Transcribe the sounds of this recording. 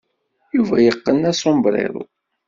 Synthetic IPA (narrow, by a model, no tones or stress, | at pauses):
juvæjəqːənæsombɾˤḛðˤʊ̰